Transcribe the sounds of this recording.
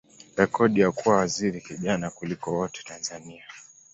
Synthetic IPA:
ɾɛkɔɗijakuwawaziɾikiʄanakulikɔwɔtɛ̥tanzania

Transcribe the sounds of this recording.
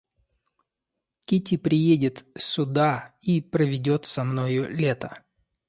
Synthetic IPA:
kʲitʲɪpɾʲɪjedʲɪt̪sʊd̪aipɾəvʲɪdʲo̞t̪sɐmno̞jʊlʲe̞t̪ə

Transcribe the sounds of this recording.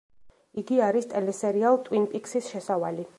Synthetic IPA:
iɡiaɾist̪ʼɛlɛsɛɾialˠt̪ʼwinpʼiksisʃɛsavali

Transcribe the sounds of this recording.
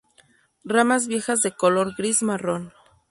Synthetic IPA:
ramazβje̞xazðe̞ko̞lo̞ɾɡɾizmaro̞n

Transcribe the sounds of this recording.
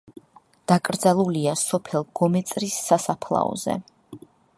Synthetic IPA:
d̪̥akʼɾd̪zalˠuliasɔpʰɛlˠɡ̥ɔmɛt̪sʼɾisːasapʰlˠa̰ɔ̰zɛ̰

